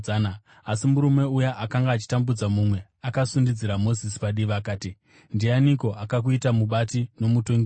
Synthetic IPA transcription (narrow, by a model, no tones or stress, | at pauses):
ana | asimuɾume̞ujaʔakaŋɡaːt͡ʃi̥tambud͡zamumwe̞akasundid͡ziɾamo̞zis̬i̥paɗiʋaːkaːti | ndianiko̞ʔakak̬uitamuɓatino̞mutoŋɡ